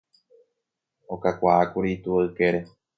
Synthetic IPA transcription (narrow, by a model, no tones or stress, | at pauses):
okakʷaakuɾit̪uaɨke̞ɾe